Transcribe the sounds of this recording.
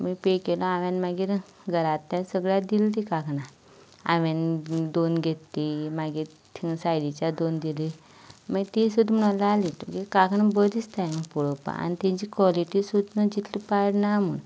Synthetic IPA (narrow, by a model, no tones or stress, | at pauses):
mipekelɔaʋɛnmaɡiːɾ | ɡʱəɾat̪ːasəɡɭjad̪ilt̪̬ikakʰnã | a̰ʋend̪onɡʱet̪ːimaɡiːɾ | t̪ʰiŋɡsajd̪it͡ɕad̪ond̪ili | maɡt̪isud̪ʱm̤əɽ̃ãlalit̪ukikakʰnãbəd̪ist̪amipuɽopa̰a̰nit̪ɛ̃t͡ɕikʋɔliʈisud̪nəd͡ʑit̪ʰlipaɽnam̤ṵn